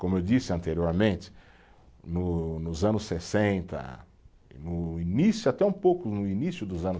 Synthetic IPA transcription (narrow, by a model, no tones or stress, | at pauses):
kõmʊewd͡ʒisɪɐ̃nt̪eɾioɾmẽnt͡ʃ̪ɪ̥ | nʊnʊzɐ̃nʊsːesẽnt̪ɐ̰ | nʊinisjʊat̪ɛũpowkʊnʊinisjʊd̪ʊzɐ̃nʊ